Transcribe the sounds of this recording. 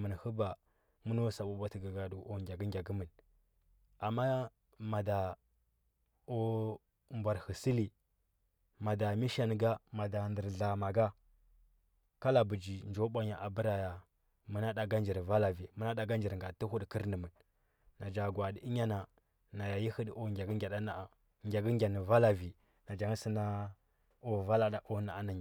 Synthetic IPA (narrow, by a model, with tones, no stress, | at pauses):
mə˨n˨hu˦ba˨ | mu˦no˦sa˨ɓu˨ba˦ti˨ɡɡa˨du˨o˨ɡʲa˨ɡə˦ŋɡʲa˨ɡu˦mə˨n | a˨mːa˦ | ma˨da˨ | o˦ | mbʷa˨ɾhi˨si˦li˨ | ma˨da˨mi˦ʃa˦n˨ɡa˦ma˨da˨ndə˨ɾɮa˨ma˨ɡa˦ | ka˦la˨bu˨d͡ʒi˨nd͡ʒo˦ɓʷa˦ɲa˨ʔa˨bə˦ɾa˨ja˨ | mə˦na˦da˨ɡa˦nd͡ʒi˨ɾva˦la˨vi˨mə˦na˦da˨ɡa˦nd͡ʒi˨ɾŋɡa˨tə˦hu˦dkə˦ɾnə˨mə˨nː | a˨d͡ʒa˨ɡwa˨di˨i˦ɲa˦na˨ | na˨ja˨ji˦hə˦ɗo˦ɡʲa˨ɡə˦ŋɡʲa˨da˦na˨a˨ | ŋɡʲa˨ɡə˦ŋ˦ɡʲa˨nə˨va˦la˨vi˨ | na˨d͡ʒa˨ŋ˦si˦na˦ | o˦va˦la˨da˨ʔo˦na˨a˦na˨